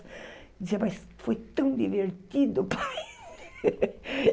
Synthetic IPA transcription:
d̪iziɐmɐs | fojt̪ɐ̃w̃d̪iveɾt̪id̪ʊpa

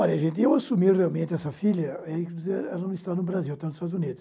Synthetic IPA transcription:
ɔʎɐʒẽnt̪ɪewasumiɾrealmẽnt̪ɪɛsɐfiʎɐɛkd̪izeɾɛlɐnɐ̃st̪anʊbɾaziwt̪anʊz̥ɪst̪ad̪zũnid̪ʊs

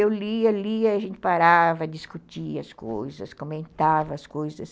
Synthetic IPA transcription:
ewliɐliɐiaʒẽnt̪ɪ̥paɾavɐd̪iskut̪iɐskojzɐskomẽnt̪avɐːskojzɐs

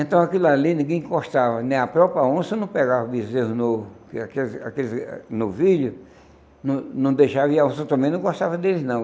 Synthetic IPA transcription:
ẽnt̪ɐ̃w̃akilʊalinĩɡẽj̃koʃt̪avɐnẽj̃apɾɔpɾaõsɐnɐ̃w̃pɛɡavɐbizeɦʊnovʊkɪakelɪa̰kelɪznʊvilʊ | nɐ̃nɐ̃w̃d̪ejʃaviaõsɐ̃t̪ɐ̃mẽj̃nɐ̃w̃ɡoʃt̪avɐd̪elɪznɐ̃w̃

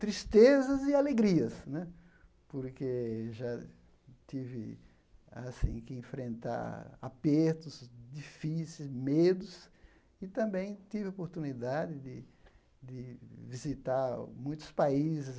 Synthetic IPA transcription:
t̪ɾist̪ezɐzɪaleɡɾiɐsnɛ | poɾkeʒa | t̪ivɪ̰ | a̰sḭ̃kɪẽfɾẽnt̪a̰ɾa̰peɾt̪ʊzd̪ifisezmed̪ʊs | ɪt̪ɐ̃mbẽj̃t̪ivɪopoɾt̪unid̪ad̪ɪd̪ɪ | d̪ɪvizit̪aɾmũj̃t̪ʊ̥spaizɪs

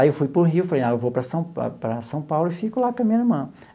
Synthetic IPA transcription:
ewfujpɾʊɦiwfɐlejaewvopɾɐsɐ̃w̃ɐ̰pɾɐsɐ̃w̃pawlʊifikulat̪ɐ̃mẽj̃nɐmɐ̃

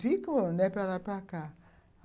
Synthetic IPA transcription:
ikonepalapaka

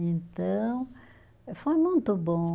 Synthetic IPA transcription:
ẽnt̪ɐ̃w̃ | fojmũj̃t̪ʊbõ

